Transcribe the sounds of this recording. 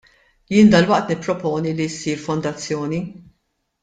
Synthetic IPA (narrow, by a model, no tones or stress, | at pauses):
jɪːnd̪ɐlwɐʔt̪nɪpːɾɔpɔːnilisiːɾfɔnd̪ɐt͡sːjɔːni